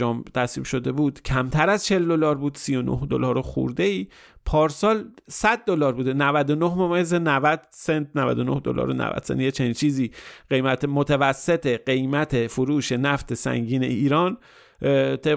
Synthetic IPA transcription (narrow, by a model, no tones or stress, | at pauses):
ɒːmt̪ʰæsvḭːbʃo̞d̪e̞buːd̪̥cʰæmt̪ʰæɾæzt͡ʃʰe̞ld̪o̞lɒːɾbuːd̪̥sijo̞no̰hd̪olɒːɾoxṵɾd̪e̞iː | pʰɒːɾsɒːlsæd̪̚ːolɒːɾbuːd̪e̞nævæd̪onohmomɒjezenævæd̪sent̪̚ʰnævæ̰d̪ono̰hd̪o̰lɒ̰ːɾonæ̰væ̰d̪̥sḛnt̪jet͡ʃʰeniːnt͡ʃʰiːziːɢ̥ejmæt̪ʰemot̪ʰevæsːe̞t̪ʰeɢe̞jmæt̪ʰefoɾuːʃe̞næft̪ʰe̞sæ̰ŋɟiːnḛʔiːɾɒːn | t̪ʰe